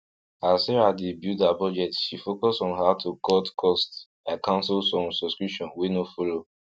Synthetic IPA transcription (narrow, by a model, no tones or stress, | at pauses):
asɛɹadibjudabɔd͡ʒɛtʃifokɔsɔ̃nhatʰukʰɔtkʰɔst | akãnsolsɔ̃msɔskɹipʃɔ̃nwenofɔlo